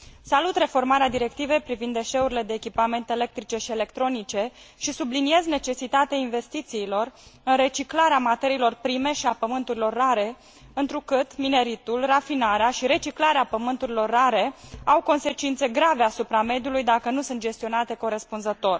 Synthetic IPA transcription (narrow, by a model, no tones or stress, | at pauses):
salut̪re̞fo̞rmaɾead̪iɾe̞kt̪ive̞jpɾivind̪ːe̞ʃe̞uɾile̞d̪e̞ːkʲipame̞nt̪eelek̚t̪ɾit͡ʃe̞ʃiele̞kt̪ɾo̞nit͡ʃe̞ʃisublinie̞zne̞t͡ʃe̞sit̪at̪eainve̞st̪it̪siːlo̞rɨnre̞t͡ʃiklaɾeamat̪e̞ɾiːlo̞rpɾime̞ʃiapəmɨnt̪uɾilo̞rːaɾe̞ | ɨnt̪ɾukɨt̪mine̞ɾit̪ulrafinaɾeaʃiɾe̞t͡ʃiklaɾeapəmɨnt̪uɾilo̞rːaɾe̞awko̞nse̞t͡ʃint̪se̞ɡɾave̞asupɾame̞d̪julujd̪akənusunt̪d͡ʒe̞st̪io̞nat̪e̞ko̞ɾe̞spunzət̪o̞r